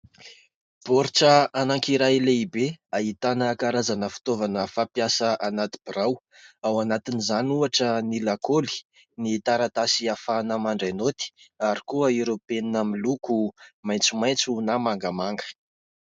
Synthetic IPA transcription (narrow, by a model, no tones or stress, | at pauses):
b̥oɾiʈ͡ʂəanaŋkiɾaleibeaɦit̪anəkaɾazanəfi̥t̪ovanəfapjasəʔanat̪i̥b̥iɾaw | awanat̪inizanuaʈ͡ʂənilakoli̥ | nit̪aɾat̪asiafanamaɳɖ͡ʐenot̪i̥aɾikuəiɾopeninamilukumajnt͡sumajnt͡sunamaŋɡamaŋɡə̥